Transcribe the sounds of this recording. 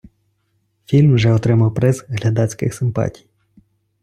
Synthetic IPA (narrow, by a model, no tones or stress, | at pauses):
fʲilʲmʒɛɔt̪ɾɪmɐwpɾɛzɦlʲɐd̪ɑt͡sʲkɪxsɪmpɑ̰tʲij